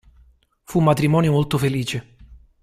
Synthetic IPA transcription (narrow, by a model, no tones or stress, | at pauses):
fumːat̪ɾimɔːnjomolt̪ofeliːt͡ʃe